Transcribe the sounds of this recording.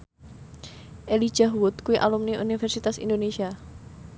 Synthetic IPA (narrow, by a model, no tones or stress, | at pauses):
ʔeli̥d͡ʒ̥aɦwut̪kuiʔalumniʔṵnifɛrsit̪asḭndonesia